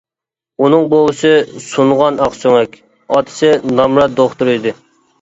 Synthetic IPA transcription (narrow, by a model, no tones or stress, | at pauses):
unɨŋbolˠɨsɨsunʁɑnɑqsøŋɛkʲ | ɑt̪ʰɪ̥sɪnɑmɾɑt̪̚d̪oχt̪uɾɨjd̪ɨ